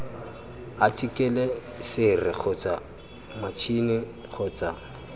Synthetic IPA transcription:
atʰʼikʼɛlɛ | sɪrɪk͡xʰʊt͡sa | mat͡ʃʰinɪ | χʰʊːt͡sa

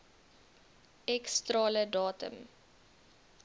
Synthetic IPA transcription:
ɛkstɾɑːlədɑːtə̰m

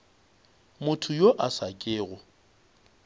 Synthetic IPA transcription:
mʊtʰʊjoʔasakʼɪːɣʊ

